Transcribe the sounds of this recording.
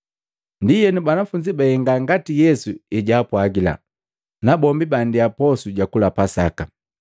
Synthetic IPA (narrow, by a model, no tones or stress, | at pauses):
ndijɛnubanafuɲd͡ʒibahɛŋɡaŋɡatijɛsuɛɟaːpwaɡila̰ | nabɔmbibandiapɔsuɟakulapasaka